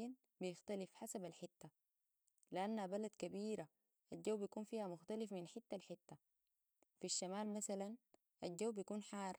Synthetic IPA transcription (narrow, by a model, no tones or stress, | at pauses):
in | bijɪxt̪alifħasabalħɪt̪ːa | liʔanːabalad̪kabiːɾa | ʔald͡ʒawːbijakuːnfiːhamʊxt̪alifminħɪt̪ːalħɪt̪ːa | fiʃːamaːlmasalan | ʔald͡ʒawːbijakuːnħɑːrˤ